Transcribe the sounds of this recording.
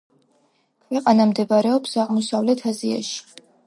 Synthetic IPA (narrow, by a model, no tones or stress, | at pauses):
kʰwɛqʼanamd̪ɛbaɾɛɔpsaʁmɔsavlɛt̪ʰazia̰ʃi̥